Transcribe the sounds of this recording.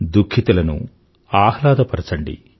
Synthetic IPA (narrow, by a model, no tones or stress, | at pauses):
d̪ukʰːit̪ɐlɐnṵ | aːhlaːd̪ɐpɐɾɐt͡ʃɐɳɖḭ